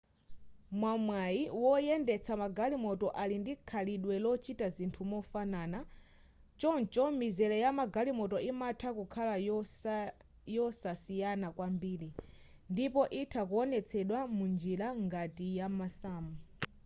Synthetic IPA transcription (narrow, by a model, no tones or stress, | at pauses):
mwamwajiwɔjɛndɛt͡sʰamaɡalimɔtɔʔalindikʰaliɗwɛlɔt͡ʃitazintʰumɔfanaːna | t͡ʃɔnt͡ʃɔmizɛlɛjamaɡalimɔtɔimatʰakukʰala | jɔsasijanakwambiːɾi | ndipɔʔitʰakuɔnɛt͡sʰɛɗwamund͡ʒilaŋɡatijamasaːmu